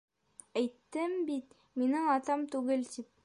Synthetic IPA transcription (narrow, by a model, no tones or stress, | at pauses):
æjt̪ːɘmbit̪̚ | minɘŋɑt̪ɑmt̪ʉɡɘlt̪ip̚